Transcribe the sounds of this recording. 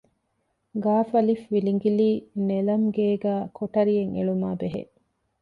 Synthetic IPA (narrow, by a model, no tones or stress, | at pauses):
ɡaːfɐlifʋiliŋɡiliːnelɐmɡeːɡæːkʰoʈɐɾijeŋḛɭumaːbeɦḛ